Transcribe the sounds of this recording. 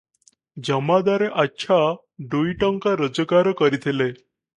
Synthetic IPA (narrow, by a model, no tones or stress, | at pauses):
d͡ʑəmad̪aɾeʔatːɕʰa | ɖoiʈəŋkaɾəd͡zəkaɾəkəɾit̪ʰele